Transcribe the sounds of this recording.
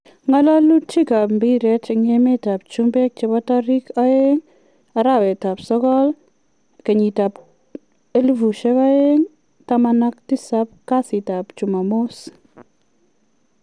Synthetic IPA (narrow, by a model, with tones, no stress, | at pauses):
ŋɔ˦lɔ˦lu˦t͡ʃi˦ka˨pmbi˦ɾe˦tŋe˦me˦ta˨p̚t͡ʃumbe˦k̚t͡ʃe˨βɔ˦tɔ˦ɾi˦kɔ˦e˦ŋ | a˨ɾa˨we˨ta˨psɔ˦kɔ˦l | ke˨ɲi˨ta˨p | e˦lu˦vu˨ʃe˦βa˦e˦ŋ | tamana˦k̚ti˦sap̚ka˦si˨ta˨pt͡ʃu˨ma˨mo˦s